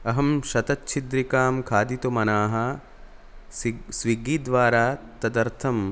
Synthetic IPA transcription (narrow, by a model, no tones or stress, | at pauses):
ɐɦɐmʃɐt̪ɐtːt͡ʃʰid̪ɾikaːmkʰaːd̪it̪umɐnaːɦɐ | sʋiɡiːd̪ʋaːɾaːt̪ɐd̪ɐɾt̪ʰɐm